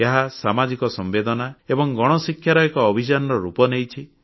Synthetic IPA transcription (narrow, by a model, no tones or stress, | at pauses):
aɦasamad͡ʒikɔsɔmbed̪ɔnaebɔŋɡɔɽ̃ɔsikʰːjaɾɔekɔːbʱit͡ʃanɔɾɔɾupɔnejt͡ʃʰi